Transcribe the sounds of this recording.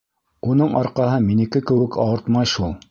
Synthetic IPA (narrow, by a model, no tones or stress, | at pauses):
unɤɴɑɾqɑɦɤminɘ̆kɘkɘ̆wɘ̆kɑ̰wɤ̆ɾt̪mɑjʃulˠ